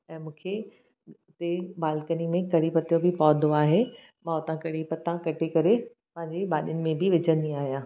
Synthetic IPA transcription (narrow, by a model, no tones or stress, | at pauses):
ɛ̃ːmũːkʰe | ʊt̪ebaːlkənimẽkɐɽipɐt̪ijobʱɪpɔːd̪ʱoaːɦe | mãʊt̪ãkɐɽ̤ipɐt̪ãkɐʈʰekɐɾe | pɐ̃ɦɪ̃ɲd͡ʑeɓaːɗjʊnɪ̆mẽbʱɪʋɪd͡ʑə̃nd̪ĩaːɦijãː